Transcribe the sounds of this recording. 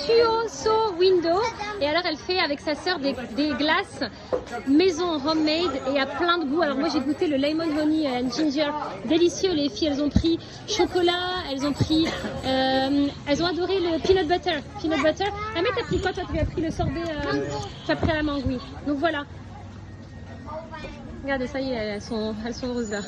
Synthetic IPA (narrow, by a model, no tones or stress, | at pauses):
t̪yosowind̪oealɔʁɛlfɛavɛksasœʁd̪ed̪eɡlas | mezɔ̃ʁɔmːɛjd̪eaplɛ̃d̪əbualɔʁmwaʒeɡut̪eləlɛjmɔnʁɔniøɛnʒinʒɛʁd̪elisjølefijɛlzɔ̃pχi | ʃɔkɔlaɛlzɔ̃pχiøɛlzɔ̃ad̪ɔʁeləpilɔt̪̚bat̪œʁpinɔt̪̚bat̪ɛʁamɛt̪yapχikwat̪wat̪yavɛpχiləsɔʁb̪eøt̪yapχialamɑ̃ɡwid̪ɔ̃kvwala | ʁəɡaʁd̪esajeɛɛlsɔ̃ɛlsɔ̃øʁøzla